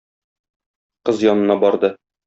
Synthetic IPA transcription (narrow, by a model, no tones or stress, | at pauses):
qɤzjɒnɤ̆nɑbɒɾd̪ɤ